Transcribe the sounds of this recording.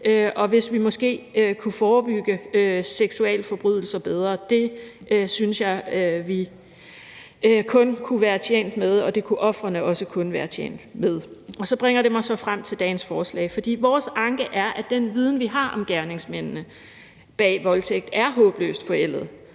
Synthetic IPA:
øʔɒ̽ʋe̝sʋimɒ̽sɡ̥e̝̰ːkʰufɒːb̥yɡ̥əøseɡ̥suɛ̰ləfɒ̽b̥ʁyðˠl̩sɐb̥eð̞ˠʁɐd̥e̝synsjɑ̈ɪøʋi | kʰɔ̽nkʰuʋæːɐt͡sʰḛːn̰d̥með̞ˠɒ̽d̥e̝kʰuʔɒ̽fʁɐnəɒ̽səkʰɔ̽nʋæːɐt͡ɕʰḛːn̰d̥með̞ˠɒ̽sɒ̽b̥ʁeŋ̰ɐɾe̝mɑ̈ɪsɒ̽fʁam̰t͡sʰe̝ld̥ɛ̰ːnsfɒːslɛ̰ːɪfɒ̽d̥ḭːʋɒːsɑ̈ŋɡ̥əʔæɐʔæd̥enʋið̞ˠn̩ʋiɦɑ̈ʔɒ̽mɡ̥æɐne̝ŋsmen̰nə | b̥ɛ̰ːʋɒ̽lt͡sʰeɡ̥̚d̥æɐɦɔ̰̽ːb̥lø̰ːsd̥fɒ̽el̰ð̩ˠ

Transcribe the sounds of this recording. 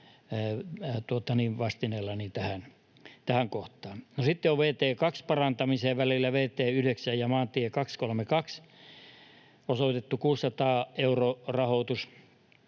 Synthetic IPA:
t̪uot̪ɑniːʋʋɑst̪inelːɑnit̪æhæn | t̪æhæŋkoht̪ˑɑːnnosit̪ːeoʋʋeːt̪eːkɑkspɑrɑnt̪ɑmiseːʋʋælilːæʋeːt̪eːyheksæjjɑmɑːnt̪iekɑkskolmekɑks | osoit̪et̪ːukuːsːɑt̪ɑːeurorɑhoˑt̪us

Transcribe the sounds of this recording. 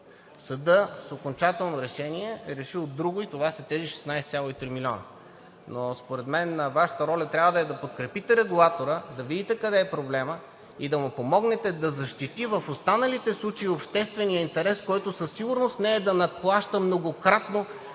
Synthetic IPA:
sɐd̪ɤsokont͡ʃat̪ɛlˠnoɾɛʃɛniɛɛɾɛʃiod̪ːɾuɡʊit̪ovasɐt̪ɛziʃɛ̥snajst̪sʲjalˠoit̪ɾimilʲɔnə̰ | nospoɾɛd̪mɛnːəvaʃə̥t̪əɾɔlʲɐt̪ɾʲabvəd̪ɐɛd̪ɐpot̪̚kɾɛpit̪ɛɾɛɡulˠat̪oɾəd̪ɐvid̪ʲit̪ɛkɐd̪ɛːpɾoblɛmə | id̪ɐmʊpomɔɡnɛt̪ɛd̪ɐzɐʃt̪it̪ivəfost̪anəlit̪ɛslˠut͡ʃeiopʃt̪ɛst̪vɛnijəint̪ɛɾɛskɔjt̪ʊsɐsːiɡʊɾnost̪nɛːd̪ɐnɐt̪̚plˠaʃt̪əmnoɡokɾat̪no

